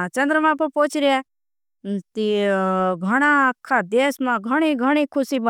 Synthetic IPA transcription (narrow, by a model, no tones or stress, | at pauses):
t͡ʃɐ̃nd̪ɾəmãpɐpoːt͡ʃɾije | t̪i | ɡʱɐɽ̃akʰːad̪eːsmãɡʱɐɽ̃iɡʱəɽ̃ikʰʊsibə